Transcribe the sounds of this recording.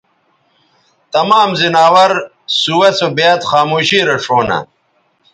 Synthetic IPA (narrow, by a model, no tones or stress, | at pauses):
t̪ɐmaːmzinaːwɐɾ | suwɐt͡sobejat̪xaːmuːɕiːɾɐʂoːnɐ̰